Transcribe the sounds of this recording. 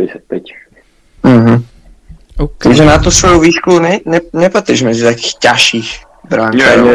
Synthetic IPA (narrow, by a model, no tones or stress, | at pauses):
ɛsɛt̪pɛc | m̩ɦm̩ | pɔʒɛnat̪usvɔjowviːʃklunɛnɛnɛpat̪ɾiʒmɛzit̪akiːxcaʃiːx | bɾaŋa